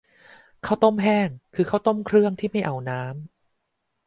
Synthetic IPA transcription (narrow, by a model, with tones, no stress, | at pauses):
kʰa˦˥˩wt̪o˥˩mɦɛː˥˩ŋkʰɯː˧kʰa˥wt̪o˥˩mkʰɾɯ˥˩əŋt̪ʰiː˥˩ma˥˩jʔa˨˩wnaː˦˥m